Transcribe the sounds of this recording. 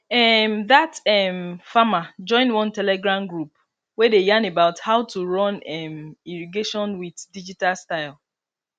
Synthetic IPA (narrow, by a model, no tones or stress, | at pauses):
ɛmðatɛmfamad͡ʒɔ̃ɪ̃ndwɔ̃ntɛlɛɡɹãmɡɹup | wɛdejãnebaʊthaʊtuɹɔ̃nɛmiɹiɡeʃɔ̃nwiðdid͡ʒitalstaɪlˠ